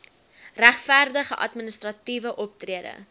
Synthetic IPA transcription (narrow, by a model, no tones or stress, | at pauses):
ræχfærdəχəʔɐtmənəstrɐtivəʔɔp̚triədə̰